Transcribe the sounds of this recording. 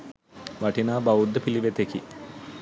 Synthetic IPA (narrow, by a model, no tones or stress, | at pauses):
ʋɐʈinaːbɐud̪ːəpiliʋet̪eki